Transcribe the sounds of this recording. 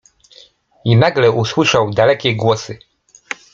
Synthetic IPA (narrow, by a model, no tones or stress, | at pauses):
inaɡlɛuswɘʂawd̪alɛkʲɛɡwɔsɘ